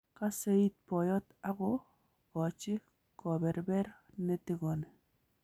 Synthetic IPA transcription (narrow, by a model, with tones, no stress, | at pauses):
ka˦se˦i˦t̚pɔ˨jɔ˦ta˦ɡɔ˦ | ɔ˨t͡ʃɪ˦ | kɔ˨bɛ˨ɾbɛ˦ɾne˦ti˦ɡɔ˨nɛ˨